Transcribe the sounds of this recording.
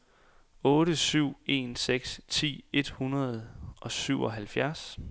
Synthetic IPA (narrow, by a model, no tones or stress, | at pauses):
ɔ̽ːɾəsyʊ̰e̝̰ːnseɡ̥st͡sʰḭːe̝d̥hunɐðˠʔɒ̽syʊ̰ʔɒ̽ɦælfjæɐs